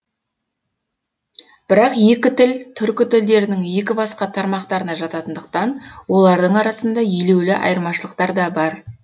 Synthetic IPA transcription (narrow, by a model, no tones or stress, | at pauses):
b̥ɪɾɑqje̞kʲɪt̪ɪlt̪ʰʏɾkʲɪt̪ʰʏld̪e̞ɾɪnɪŋje̞k̬ʲɪbɑsqɑt̪ʰɑɾmɑqt̪ɑɾənɑʒɑt̪ɑt̪ənd̪əq̚t̪ɑnwo̞lˠɑɾd̪əɴɑɾɑsənd̪ɑʏjle̞wlɪʔɑ̰jəɾmɑʃəlˠəq̚t̪ɑɾd̪ɑbɑɾ